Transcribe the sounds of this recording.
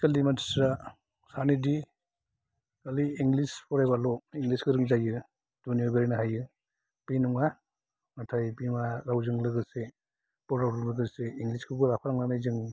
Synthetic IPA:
kaldimanti̥sɾa | sanidi | ɡaliːŋlispʰɔɾajbalɔiŋɡliskɯɾɯŋzajɯ | d̥unijɔɡɯɾinaɦajɯ | pijnuŋa | ŋatʰajpiŋaɾawzɯŋlɯɡɯse | pɔɾawɾɯŋlɯɡɯseiŋliskʰɯbɯlapʰaɾaŋnanajzɯŋ

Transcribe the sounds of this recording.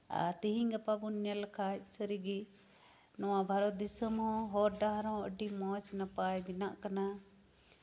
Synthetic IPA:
a̰t̪iɦiŋɡapabunəlkʰat͡ʃsəɾiɡi | nɔwãbʱaɾɔd̪isəmɦɔ̃ɦɔɾɖ̪aɦɾɔ̃ə̰ɖimɔ̃t͡ʃnapajbinaʔkɐna

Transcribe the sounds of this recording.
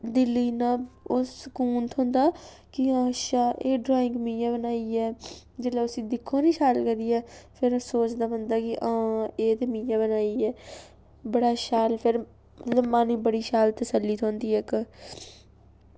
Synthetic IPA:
d̪ɪliːnãːosəkuːnt̪ʰõːnd̪aː | kɪãːʃaːʔeːɖɾaːɪ̃ŋkmĩːjãːbənaːiːɛː | d͡ʒelaːʊsĩːd̪ɪkʰːõːniːʃaːlkəd̪iːɛːpʰɪɾsoːt͡ʃd̪aːbə̃nd̪aːkɪʔãːeːt̪eːmĩːjãːbənaːiːɛː | bəɽaːʃaːlpʰɪɾ | ələbmaːnĩːbəɽiːʃaːlt̪əsəlːiːt̪ʰõːnd̪iːɛk

